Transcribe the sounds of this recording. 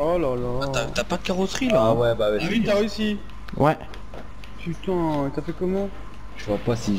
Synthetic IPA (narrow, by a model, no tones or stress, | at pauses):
alalaat̪yapad̪əkaʁɔsχilaawɛbawɛit̪aosi | wɛ | tyt̪ɑ̃t̪afɛkɔmɑ̃ | ʒəvwapasi